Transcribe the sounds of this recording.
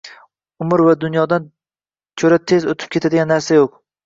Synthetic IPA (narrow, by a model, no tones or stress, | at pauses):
ʊmɪɾvad̪ʊnjɒd̪an | t͡ʃʰɵɾat̪ʰe̞zot̪ʰɪp̚kʲʰe̞t̪ʰad̪eɪɡʲanːaɾsajoq